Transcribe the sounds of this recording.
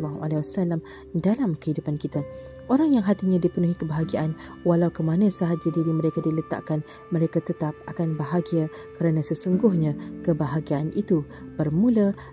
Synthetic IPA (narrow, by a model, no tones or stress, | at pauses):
lːaɦua̰lewasalam | dalamkəhidupankit̪a | ʔoɾaŋjaŋɦat̪iɲãdipənuɦikəbaɦaɡiaʔan | walawkəmanãsaɦad͡ʒadiɾimə̃ɾekadilət̪a̰ʔkan | mə̃ɾekat̪ət̪ap̚a̰kanbaɦaɡia | kəɾanãsəsuŋɡʊhɲãkəbaɦaɡianʔit̪ub̥ərmũla